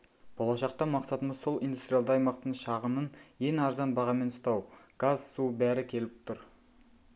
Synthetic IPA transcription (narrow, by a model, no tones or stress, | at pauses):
b̥o̞lˠɑʃɑq̚t̪ɑmɑqsɑt̪əməzso̞lˠʔind̪ust̪ɾʲijald̪ɑɑjmɑqt̪əɴʃɑʁəmənje̞nɑɾzɑnbɑʁɑme̞nʊst̪ɑwɡ̥azsubæɾɪkʲʰe̞lɪp̚t̪ʰʊɾ